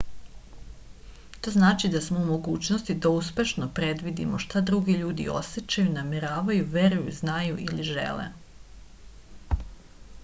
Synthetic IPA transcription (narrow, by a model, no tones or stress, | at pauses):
t̪o̞ːznaːt͡ʃid̪asmoumo̞ɡuːt͡ɕnost̪id̪auspʲe̞ʃno̞pɾe̞d̪ʋid̪ḭmoʃt̪ad̪ɾuɡeʎuːd̪ḭo̞̰set͡ɕajunameɾaːʋajuʋe̞ɾujṵznajuʔiliʒḛlḛ